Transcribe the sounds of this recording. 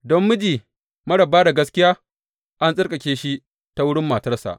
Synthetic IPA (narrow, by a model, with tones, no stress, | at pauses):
dɔ˦mːʊ˦d͡ʒiː˨ | mɐ˦ɽɐ˨bːaː˦da˨ɡɐ˦skʲɪ˦jaː˦ | ʔa˦nsʼɪ˦rkʼɐ˨kʲeː˦ʃi˦ | ta˦wʊ˦ɽɪ˦mːaː˨tɐ˦rsa̰˨ʔ